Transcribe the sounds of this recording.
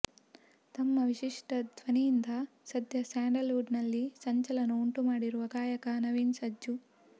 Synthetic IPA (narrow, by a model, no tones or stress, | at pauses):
t̪ɐmːɐʋiʃiʂʈɐd̪ʱʋɐnijind̪ɐ | sɐd̪jɐsaːɳɖɐluːɖnɐlːisɐɲt͡ʃɐlɐnɐuɳʈumaːɽiɾuʋɐɡaːjɐkɐnɐʋiːnsɐd͡ʒu